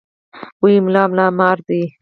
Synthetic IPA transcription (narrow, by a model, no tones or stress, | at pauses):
wijmlɑːmlɑːmɑːɾd̪i